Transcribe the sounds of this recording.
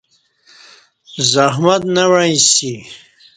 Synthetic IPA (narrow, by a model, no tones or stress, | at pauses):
zaɦmat̪nawaj̃si